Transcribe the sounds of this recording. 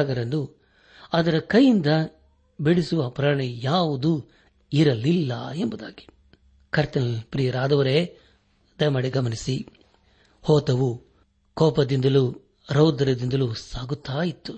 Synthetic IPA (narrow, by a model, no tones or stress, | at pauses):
aɡɐɾɐndu | ɐd̪ɐɾɐkɐjːind̪ɐ | beɽisuʋɐpɾaːɳɛjaːʋud̪u | iɾɐlilːɐ̰embud̪aːɡi̥ | kɐɾt̪ɐnpɾijɐɾaːd̪ɐʋɐɾeː | d̪ɐjɐmɐːɽiɡɐmɐnisi | hɔːt̪ɐʋu | kɔːpɐd̪ind̪ɐlu | ɾɐwd̪ɐɾɐd̪ind̪ɐlusaːɡut̪ːaːjit̪ːu̥